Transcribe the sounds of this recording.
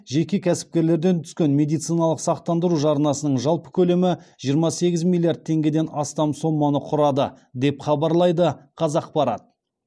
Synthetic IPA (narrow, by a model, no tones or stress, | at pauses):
ʒe̞kʲe̞kʲʰæsɪ̥p̚kʲe̞ɾle̞ɾd̪e̞nt̪ʰʏ̥skʲe̞nme̞d̪ijt̪sɨjnɑlˠəqsɑq̚t̪ɑnd̪əɾuʒɑɾənɑsənəɴʒɑlˠpə̥kʲʰɵle̞mɪʒ̥ijəɾmɑse̞ɡʲɪzmʲilˠijard̪̚t̪ʰe̞ŋɡʲe̞d̪e̞nɑst̪ɑmso̞mːɑnəqʰʊɾɑd̪ə̰ | d̪e̞pχɑbɑɾlˠɑjd̪əqʰɑzɑq̚pɑɾɑ̰t̪̚